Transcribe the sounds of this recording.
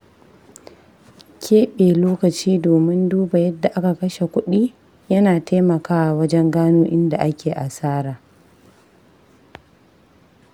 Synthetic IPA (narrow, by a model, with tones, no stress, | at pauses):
kʲʰeː˦ɓeː˨loː˦kɐ˨t͡ʃiː˦doː˨mɪ˦nduː˦ba˨jɐ˦dːa˨ʔa˦ka˨kɐ˦ʃe˨kʷʊ˦ɗiː˦ | jɐ˦naː˨teː˦mɐ˨kaː˦wa˨wɐ˦d͡ʒɛ˦ŋɡaː˦nuː˦ʔɪ˦nda˨ʔa˦kʲʰeː˨ʔa˨saː˦ɾaː˨